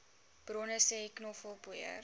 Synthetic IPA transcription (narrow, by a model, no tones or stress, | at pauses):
b̥rɔnəsɛiknɔfəlˠbuə̰r